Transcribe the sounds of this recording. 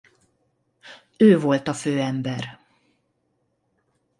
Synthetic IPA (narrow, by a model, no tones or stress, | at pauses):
øːvo̞lt̪ɒføːɛmbɛr